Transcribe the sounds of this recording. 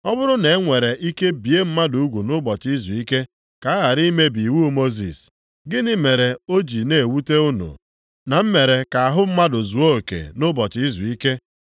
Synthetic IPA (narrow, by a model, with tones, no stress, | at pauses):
ɔ˦bʊ˦ɾʊ˦ne˨˦ŋʷe˨ɾe˨ʔi˦ke˦bi˨e˦m̩˦ma˦du˨˦ɡʷu˨nʊ˦bɔ˨t͡ʃi˦zu˨i˦ke˦ | ka˨˦a˦ɣa˨ɾi˦me˦bi˨wu˦mo˦zḭ˨s | ɡɪ˦nɪ˦me˨ɾe˨o˦d͡ʒi˨ne˨e˨wu˦te˦u˦no̰˨ | na˨m̩˦me˨ɾe˨ka˨a˨ɦʊ˦m̩˦ma˦do˨zu˨o˦o˨kḛ˨nʊ˦bɔ˨t͡ʃɪ˦i˦zu˨i˦ke˦